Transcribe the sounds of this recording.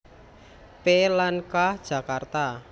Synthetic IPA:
pelankahd̥ʒ̥ä̤kart̪a

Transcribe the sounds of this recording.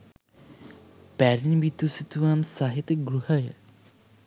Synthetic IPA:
pæɾiniʋit̪usit̪uʋamsaɦit̪əɡɾuhəjə̰

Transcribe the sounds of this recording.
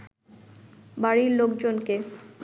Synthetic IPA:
baɾiɾlokd͡ʑonke

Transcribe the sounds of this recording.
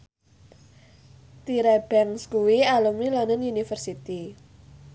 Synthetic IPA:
t̪iɾɛb̥ɛŋskuwialumilɔnənunifərsit̪i

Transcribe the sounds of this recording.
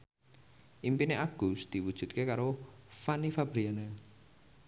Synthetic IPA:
ʔimpineʔaɡ̥usd̪̥i̤wud̥ʒ̥ṳt̪̚kekaɾofanifab̥ɾiane

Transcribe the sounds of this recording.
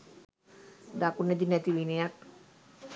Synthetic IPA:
d̪akuned̪inɛt̪iʋinejak̚

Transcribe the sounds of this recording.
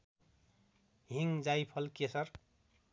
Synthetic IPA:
ɦiŋd͡zajpʰʌlkesʌɾ

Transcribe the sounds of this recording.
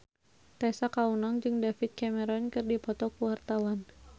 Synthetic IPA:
t̪ɛsakaunɔŋd͡ʒɨŋdafit̪̚kamɛɾɔnkɨrdipɔt̪ɔkuwart̪awan

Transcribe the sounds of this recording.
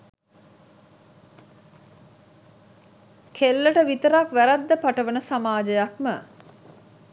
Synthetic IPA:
kʰelːəʈəʋit̪əɾakʋæɾad̪ːəpaʈəʋənəsamaːd͡ʒəjakmə

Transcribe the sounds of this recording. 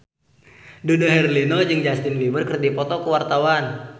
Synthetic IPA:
dudoɦɛrlinɔd͡ʒɨŋd͡ʒast̪ɪnlibərkərdipɔt̪ɔkəwart̪awan

